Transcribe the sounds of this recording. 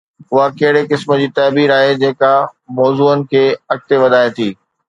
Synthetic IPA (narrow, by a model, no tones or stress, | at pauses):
ʊɦakɐɦɪɽekɪsmə̆d͡ʑiːt̪ɐːbiːɾaːɦed͡ʑeːkamɔːzuːənɪ̆kʰeːɐk̚t̪eʋɐd̪ʱaːet̪ʰiː